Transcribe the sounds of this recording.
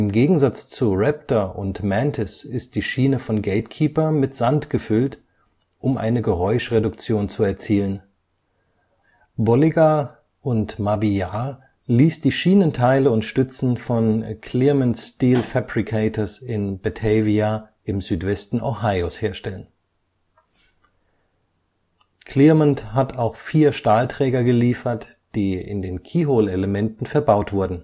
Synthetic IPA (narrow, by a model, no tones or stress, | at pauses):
ʔɪmɡeːɡŋ̩zat͡st͡suʁɛp̚tɐʔʊntmɛntʰɪsɪst̚d̥iːʃiːnəfɔnɡɛltkʰiːpɐmɪtz̥antɡ̥əfʏlt | ʔʊmʔa̰ɪnəɡəʁɔʏʃʁedʊkt͡sjoːnt͡suɛɐt͡siːlən | bɔliɡa | ʔʊntmabiaː | liːsd̥iːʃiːnəntʰaɪləʊntʃtʏt͡sn̩fɔnkʰl̥iːɐmɛntstiːlfabʁikʰeɪtʰəsɪnbɛtʰɛvia | ʔɪmzyːtv̥ɛstn̩ʔo̰haɪosheːɐʃtɛlən | kʰliɐmənthatʰaʊxfiːɐʃtaːltʁ̥ɛːɡɐɡəliːfɐt | d̥iːɪ̰ndeːnkʰiːɦoleləmɛntn̩fɛɐbaʊtv̥ʊɐdn̩